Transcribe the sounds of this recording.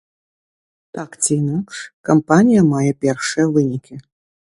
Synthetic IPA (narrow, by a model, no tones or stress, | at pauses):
t̪akt͡sʲinakɐmpanʲijɐmajɛpʲɛrʂɨjɐvɨnʲikʲʰi